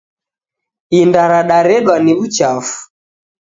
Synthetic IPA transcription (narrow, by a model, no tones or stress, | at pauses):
indaɾaɗaɾɛɗwaniβut͡ʃafu̥